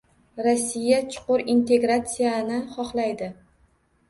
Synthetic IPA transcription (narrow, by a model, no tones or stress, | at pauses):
ɾosːijat͡ʃʰʊ̥qʊɾint̪ʰe̞ɡɾat̪sijanɪχɒχlajd̪ɪ